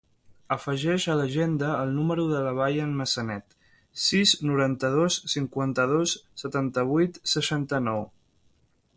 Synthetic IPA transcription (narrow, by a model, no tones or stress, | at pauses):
əfəʒɛʃələʒend̪əːlˠnuməɾuðələβ̞ajənməsənɛt̪ | siznuɾant̪əð̞osːiŋkwant̪əðosːət̪ant̪əβ̞ujt̪səʃant̪ənɔw